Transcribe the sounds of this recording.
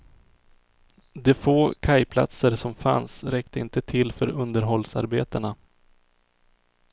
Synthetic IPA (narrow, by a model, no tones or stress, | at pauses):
d̪ɛfoːkʰajpʰla̰t̪səɾsɔmfa̰nsɾɛkt̪əɪnt̪ət̪ʰɪlːfœɾɵnd̪əɾɦɔlːsa̰ɾbeːt̪əɳa